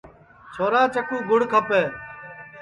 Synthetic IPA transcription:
t͡ʃʰoːɾãːt͡ʃəkũːɡʱʊɽkʰəpeː

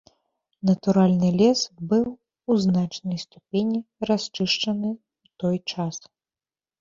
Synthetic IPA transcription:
nɐt̪uɾalʲnɨlʲɛsbɨw | uznat͡ʂnɐjst̪upʲenʲiɾasʲt͡ʂɨʂt͡ʂɐnɨ | wt̪ɔjt͡ʂas

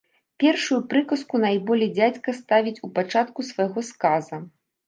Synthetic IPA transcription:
pʲɛrʂujupɾɨkɐskunajbɔlʲid͡zʲat͡sʲkɐst̪avʲit͡sʲupat͡ʂat̪kusvajɣɔskazɐ

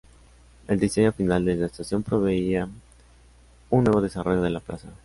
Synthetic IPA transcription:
e̞ld̪issejafinald̪ezeaest̪asjo̞mpɾo̞βe̞ia | unːwe̞βo̞ð̞e̞saro̞ʝoðe̞lapla̰sa

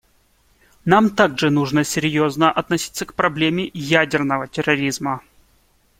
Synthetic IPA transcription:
namt̪aɡʐɨnuʐnəsʲɪɾʲjoznəʔɐt̪nɐsʲi̥t̪sːəkpɾɐblʲemʲɪjædʲɪrnəvətʲɪrɐɾʲizmə

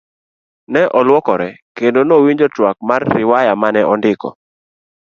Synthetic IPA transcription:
nɛʔɔlwɔkɔɾɛkendonowiɲd͡ʒɔtwak̚marːɪwajamanɛʔɔndɪkɔ̰

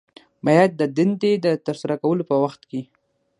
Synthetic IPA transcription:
bajad̪̚ːəd̪ɪnd̪ed̪ət̪əɾsaɾakawəlopəwaxt̪ke

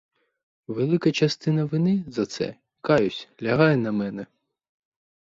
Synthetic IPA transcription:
ʋelˠɪkɐt͡ʃɐst̪ɪnɐʋɪnɪzɐt̪sɛ̰ | kɑjʊsʲlʲɐɦɑjɛnɐmɛnɛ

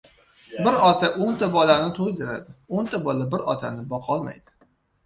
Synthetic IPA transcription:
bɪɾɒt̪ʰaʔont̪ʰabɒlanɪt̪ʰojd̪ɪɾa̰d̪ɪont̪ʰabɒlabɪɾɒt̪ʰanɪbɒqʰɒlˠma̰jd̪̥ɪ̥

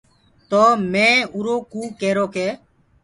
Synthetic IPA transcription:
t̪oːmẽːuːɾoːkuːkeːɾoːkeː

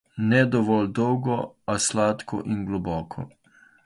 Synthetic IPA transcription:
nɛd̪ɔʋɔld̪ɔwɡɔaslaːt̪kʰɔ̰ʔinɡlɔbɔːkʰɔ̰

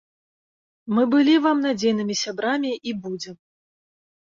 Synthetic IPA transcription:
mɨbɨlʲivamnad͡zʲejnɨmʲisʲabɾamʲiʔibud͡zʲɛm

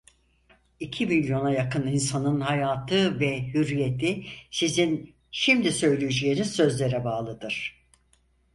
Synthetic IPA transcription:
icʰimilʲjo̞najakɯninsanɯnhajaːt̪ʰɯvɛhyɾije̞t̪ʰisizin | ʃimd̪isø̞jlʲyjyd͡ʒeːniz̥sø̞zlʲe̞ɾɛbaːlˠɯd̪ɯɾ̥

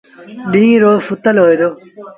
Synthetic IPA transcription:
ɗĩːɾoːfʊt̪əlɦoːjd̪oː

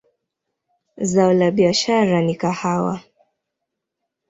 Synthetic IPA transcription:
zaɔlaɓiaʃaɾanikahawa̰

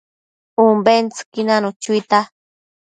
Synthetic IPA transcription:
umbent͡skinanut͡ʃujt̪a

